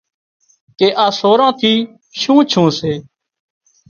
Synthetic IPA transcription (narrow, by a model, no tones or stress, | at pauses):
keːʔaːsoːɾãːt̪ʰiː | ʃũːt͡ʃʰũːseː